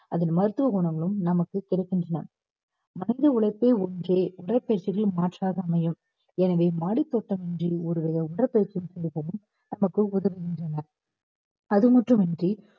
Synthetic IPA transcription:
ɐðɪnmɐɾɯt̪ːɯʋɐɣɔɳɐŋɡɐɭɯmnɐmɐkːɯkɪɽɐɪkːɪndrɐnɐ̰ | mɐnɪðɐʊɭɐɪpːeːɔndreːʊɽɐpːeːʈt͡ʃɪɣɐɭmaːʈraːɣɐmɐjɯm | ɛnɐʋeːmaːɽit̪ːoʈːɐmɛndriɔɾɯʋɐɣɐʊɽɐɾpːeːʈt͡ʃːɪjɯmsɛɾpoːɣɯm | nɐmɐkːɯʊðɐʋɐɣɪndrɐnɐɾ | ɐðɯmɐʈrɯmɛndri

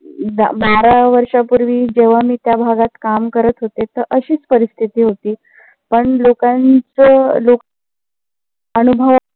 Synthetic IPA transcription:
d̪a̰baɾaʋəɾʂapuɾʋiːd͡ʑeʋ̤amiːt̪jabʱaɡat̪kamkəɾət̪ɦot̪et̪əɾʔəɕiːt͡spəɾist̪ʰit̪iːɦot̪iː | pəɳlokant͡səlo | ənubʱə

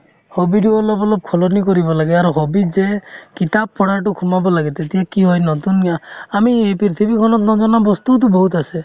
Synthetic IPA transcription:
hobiʈuɔlɔbɔlɔb̚kʰɔlɔnikɔɾibɔlaɡeaɾɔɦɔbid͡ʒekit̪ab̚pɔɽaʈukʰumabɔlaɡet̪et̪iakiɦɔjnɔt̪uniaamiepɾiɾt̪ʰipikʰɔnɔt̪nɔd͡ʒɔnabɔst̪ut̪̬ubɔɦut̪ase

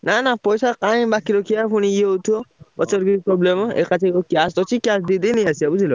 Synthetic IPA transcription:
nanapɔjsakaj̃bakiɾɔkʰijapʰuñĩeut̪ʰuɔɔt͡sɔɾɡiipɾɔblemḛkat͡ʃʰaiokjast̪ɔt͡ʃʰikjasd̪id̪iniasiabud͡ʒilɔ

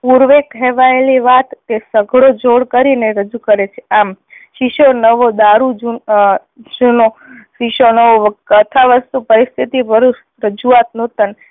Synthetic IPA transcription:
puɾʋekɦɛʋaeliʋat̪ːesəɡʱɽod͡ʒoɽkəɾineɾəd͡ʒukəɾet͡ʃʰe̥amʃiʃonəʋod̪aɾud͡ʒu | ʃunoʃiʃonəʋoʋkət̪ʰaʋəst̪upəɾist̪ʰit̪ibəɾuʃ | ɾəd͡ʒuat̪not̪ən

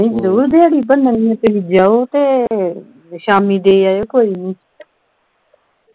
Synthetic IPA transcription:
ẽːd͡ʒəɾuːɾd̪eːaɽiːpənːãːnĩːãːt̪eːɦid͡ʒaːoːt̪eː | ʃaːmiːd̪eːaːjoːkoːiːnĩː

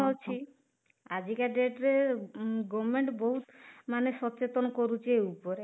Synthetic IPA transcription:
olt͡ɕʰi | ad͡ʑʱikaɖeʈɾe | ɡɔmeɳʈboɦut̪maneʃɔtːt͡ʃet̪onkoɾut͡ɕʰeupoɾe

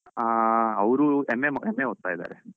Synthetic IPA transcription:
aːɐʋɾuemememeɦot̪ːaːid̪a̰ːɾe

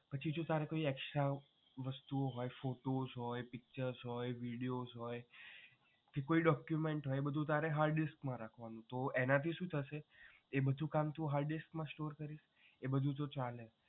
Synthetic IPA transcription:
pət͡ʃʰid͡ʒot̪aɾekoiɛkʃa | ʋəst̪uoɦɔjfoʈozɦɔjpik̚t͡ʃəɾzɦɔjʋiɽijozɦɔj | kekoiɖɔkjumeɳʈɦɔjebəd̪ʱũt̪aɾeɦaɾɖiskmãɾakʰʋanũt̪oenãt̪ʰiʃũt̪ʰəʃe | ebəd̪ʱũkamt̪ũɦaɾɖiskmãsʈoɾkəɾiʃ | ebəd̪ʱũt̪̬ot͡ʃale

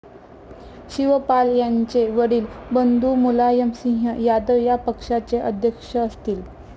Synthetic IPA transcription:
ɕiʋəpaljaɲt͡seʋəɽiːlbənd̪umulajəmsĩŋɦəjad̪əʋjapəkʂat͡seʔəd̪ʱjəkʂəəst̪iːl

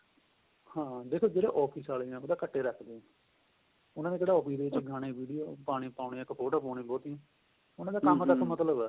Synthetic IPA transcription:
hãːd̪eːkʰoːd͡ʒeːɽḛːʔɔːpʰiːsaːliːɛ̃ːoːd̪aːkəʈːeːɾɛkʰd̪eːɛ̃ː | ʊnãːneːkeːɽaːɔːpʰiːd̪eːɪt͡ʃɡʱaːɽ̃eːʋiːɖijoːpaːɽ̃ĩːpaːʊɳĩːkːpʰoːʈaːpaːɽĩːbɔːt̪iɛ̃ː | ʊnãːd̪aːkəmt̪əkmət̪ləbɛː

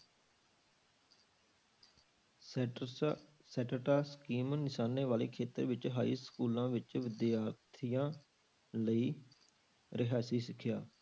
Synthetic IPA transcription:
sɛːʈəʈaːskiːmnɪʃaːneːʋaːleːkʰeːt̪ə̰ɾʋɪt͡ʃɦaːḭːskuːlãːʋɪt͡ʃʋɪd̪jaːt̪ʰɪjãː | ləiː | ɾɪɦaːsiːsɪkʰːjaː

